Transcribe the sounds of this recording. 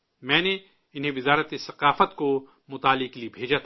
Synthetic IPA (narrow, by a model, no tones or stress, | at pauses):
mɛ̃ːne | ɪnɦẽʋɪzaːɾət̪esɐqaːfət̪ko | mʊt̪aːlɪkeliebʱeːd͡ʒat̪ʰː